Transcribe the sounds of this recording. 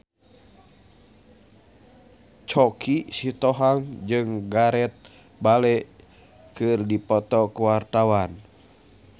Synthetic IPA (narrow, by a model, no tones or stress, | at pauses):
t͡ʃɔkʰisit̪ɔɦaŋd͡ʒɨŋɡaɾɛt̪̚ | balɛ | kɨrdipɔt̪ɔkəwart̪awan